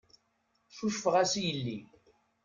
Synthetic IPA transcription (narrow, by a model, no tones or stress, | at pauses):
suʃfəʁæsijəlːi